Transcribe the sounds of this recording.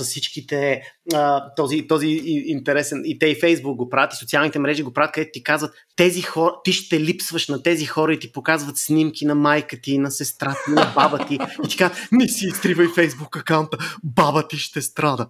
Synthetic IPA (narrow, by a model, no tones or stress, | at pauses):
zɐfsit͡ʃkit̪ɛət̪ɔzit̪ɔziint̪ɛɾɛsɛnit̪ɛifɛjzbuk̚ɡopɾavʲət̪isot̪sialˠnit̪ɛmɾɛʒiɡopɾavət̪kəd̪ɛt̪ʊt̪ikazvət̪ːɛzixɔɾt̪iʃt̪ɛlipsvəʃnɐt̪ɛzixɔɾəit̪ipokazvət̪snimkinɐmajkət̪iːnɐsɛst̪ɾat̪ənɐɐbabət̪iit̪i̥kazət̪nɛsiːsk̪ɾivəjfɛjzbukɐkaʊnt̪əbabət̪iʃt̪ɛst̪ɾad̪ə